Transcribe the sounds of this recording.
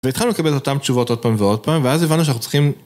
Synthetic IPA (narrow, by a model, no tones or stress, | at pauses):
veit̪χalnulekabelto̞tamt̪t͡ʃuvo̞t̪o̞d̥̚paːmveo̞d̚paːmveazevanːuʃanaχut͡s̪i̥χim